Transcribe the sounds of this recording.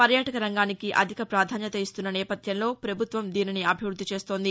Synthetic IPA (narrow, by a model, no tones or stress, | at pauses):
pɐɾjaːʈɐkɐɾɐŋɡaːnikiʔɐ̰d̪ʱikɐpɾaːd̪ʱaːnjɐt̪ɐist̪unːɐnɛːpɐt̪jɐnlo̞ːpɾɐbʱut̪ʋɐmd̪iːniniɐbʱiʋɾud̪ʱːit͡ʃe̞ːst̪o̞ːnd̪i